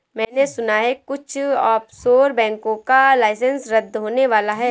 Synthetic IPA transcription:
mɛ̃ːnesʊnaɦɛkʊt͡ʃʰɔːpsoːɾbɛ̃ːŋkõkalaːɪsə̃nsɾɐd̪ɦoːneʋaːlaɦɛː

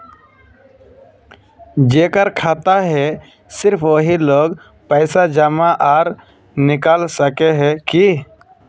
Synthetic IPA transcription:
d͡ʒeːkəɾkʰaːt̪aɦɛ | sɪɾpʰʋoɦiloːɡ | pɛɪsad͡ʒəmaʔaːɾ | nɪkaːlsəkeɦɛ̃ki

